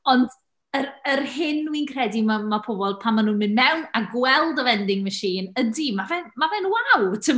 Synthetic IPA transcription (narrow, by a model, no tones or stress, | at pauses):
ɔnd | ərərhɪnːwinkʰrɛdimamapʰɔbɔl̚ˠpʰamanuːnmɪnmɛwnaɡwɛlˠdəvɛndɪŋməʃiːnədimavɛnmavɛnwawtʰə